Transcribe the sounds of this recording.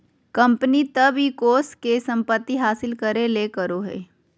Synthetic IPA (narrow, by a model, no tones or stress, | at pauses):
kɐ̃mpənit̪ɐbɦikoːskesɐ̃mpət̪ːiɦaːsɪlkəɾelekəɾoɦḛː